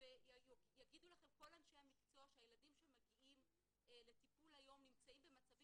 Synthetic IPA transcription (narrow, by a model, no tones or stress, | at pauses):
vejjojaɡid̪ulaχe̞mko̞lanʃejhamikt͡so̞ʃajeladimʃemaɡiʔim | let̪ipulajo̞mnimt͡saimbemat͡savi